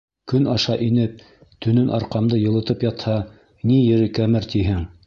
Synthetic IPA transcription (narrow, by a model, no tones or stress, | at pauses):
kɵnɑʃɑʔinɘp̚ | t̪ɵ̆nɵnʔɑ̰ɾqɑmd̪ɤjɤ̆lˠɤ̆t̪ɤpjɑt̪hɑ | nijɘ̆ɾɘkæmɘɾt̪iɦɘŋ